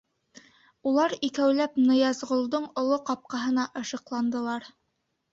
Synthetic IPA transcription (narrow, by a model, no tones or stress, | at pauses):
ulˠɑɾikæwlæpnɤ̆jɑzʁŏlˠd̪ɤɴŏlˠoqɑp̚qɑɦɤ̆nɑʔɤ̆ʃɤ̆qlˠɑnd̪ɤ̆lˠɑɾ